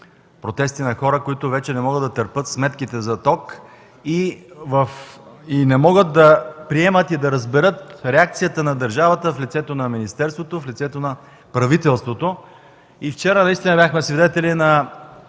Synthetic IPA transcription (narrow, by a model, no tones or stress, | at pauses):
pɾot̪ɛst̪inɐxɔɾəkoit̪ʊvɛt͡ʃɛnɛmɔɡəd̪d̪ɐt̪əɾpɤt̪smɛt̪k̟it̪ɛzɐt̪ɔk | ivəfinɛmɔɡət̪̚d̪ɐpɾiɛmət̪id̪ɐɾəzbɛɾɤt̪̚ɾɛak̚t̪sijət̪ənɐd̪əɾʒavət̪əflit̪sɛt̪onɐminist̪ɛɾst̪vot̪oflʲit̪sɛt̪onɐ | pɾɐvit̪ɛlˠst̪vot̪o | ift͡ʃɛɾənɐist̪inɐbʲjaxmɛsvid̪ɛt̪ɛlinɐ